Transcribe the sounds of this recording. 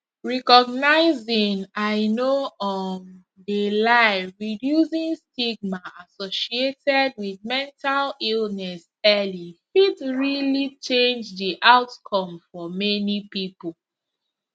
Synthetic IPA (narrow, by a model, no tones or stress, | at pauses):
ɹɛkɔɡ̚naɪzĩŋaɪnoɔn | delaɪɹidjusĩnstiɡ̚maasoʃietɛd̚wiðmɛ̃ntʰalilnɛs | ɛlifitɹilit͡ʃẽnd͡ʒðiʔaʊtkʰɔ̃mfɔmɛnipipɔl